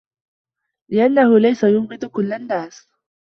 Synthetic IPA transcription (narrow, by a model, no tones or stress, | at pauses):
lɪʔanːahʊlajsajʊnɣɪd̪ʊkʊlːanːaːs